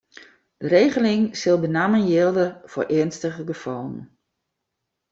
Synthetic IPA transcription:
d̥əɾeːɣəlɪŋsɪlˠbənamənjɪəlˠdəfo̰ɹʔɪənstəɣəɡəfɔlˠən̩

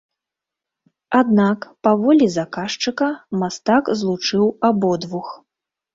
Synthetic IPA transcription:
ad̪nakpavɔlʲizakaʂt͡ʂɨkɐmast̪akzlˠut͡ʂɨwabɔd̪vux

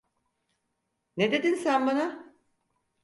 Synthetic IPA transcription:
ned̪e̞d̪insænbana

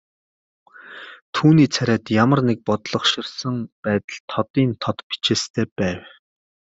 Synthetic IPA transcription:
t̪ʰuːniːt͡sʰæɾʲæːt̪jamə̆rnek̚pɔt̪ɮɞ̆χʃɪ̆rsə̆ŋpæːt̪ə̆ɮt̪ʰɔt̪iːnt̪ʰɔt̪pi̥t͡ɕeːst̪ʰeːpæːw

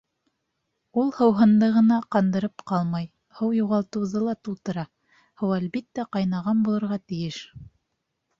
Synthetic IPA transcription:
ulˠhɤ̆wɦɤ̆nd̪ɤʁɤ̆nɑqɑnd̪ɤ̆ɾɤpqɑlˠmɑj | hɤwjuʁɑlˠt̪ɤ̆wðɤlˠɑt̪ulˠt̪ɤ̆ɾɑ | hɤwælbit̪ːæqɑjnɑʁɑnbulˠɤ̆ɾʁɑt̪ɘ̆jɘʃ

